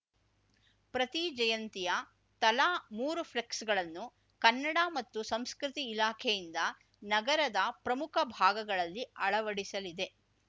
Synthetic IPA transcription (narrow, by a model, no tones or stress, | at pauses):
pɾɐt̪id͡ʒɐjɐnt̪ijɐ | t̪ɐlaːmuːɾupʰleksɡɐɭɐnːu | kɐnːɐɽɐmɐt̪ːusɐmskɾit̪iːlaːkʰɛjind̪ɐ | nɐɡɐɾɐd̪ɐpɾɐmukʰɐbʱaːɡɐɡɐɭɐlːiɐɭɐʋɐɽisɐlid̪e̞